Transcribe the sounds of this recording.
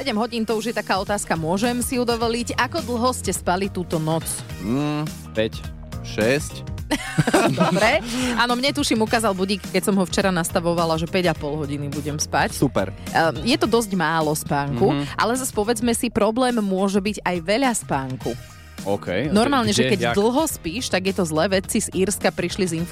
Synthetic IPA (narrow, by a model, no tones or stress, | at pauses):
sɛɟɛmɦɔɟiːnt̪ɔuʒjɛt̪akaːɔt̪aːskamʊɔʒɛmsiud̪ɔʋɔliɟakɔd̪l̩ɦɔscɛspalit̪uːt̪ɔnɔt͡sː | pɛc | ʃɛsc | d̪ɔbɾɛaːnɔmɲɛt̪uʃimukaːzalbuɟiːkkːɛcsɔmɦɔft͡ʃɛɾanast̪aʋɔʋalaʒɛpɛɟapɔlˠɦɔɟinibuɟɛmspacsupɛ̰ɾjɛt̪ɔd̪ɔzɟmaːlɔspaːŋkuʔa̰lɛzaspɔʋɛd͡zmɛsipɾɔblɛːmːʊɔʒɛbiɟajʋɛʎaspaːŋku | ɔkɛjnɔɾmaːlɲɛʒɛkɛɟd̪l̩ˠɦɔspiːʃt̪aɡjɛt̪ɔzlɛːʋɛt͡siz̥iɾskapɾiʃlizin